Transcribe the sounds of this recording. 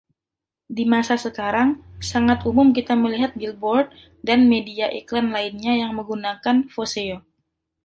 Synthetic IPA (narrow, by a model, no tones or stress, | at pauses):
dimasasəkaɾaŋsaŋat̪umʊmk̬it̪aməliɦat̪̚ɡilbɔrd̚ | danmediaʔiklanlaɪnɲajaŋməŋɡunakanfoseo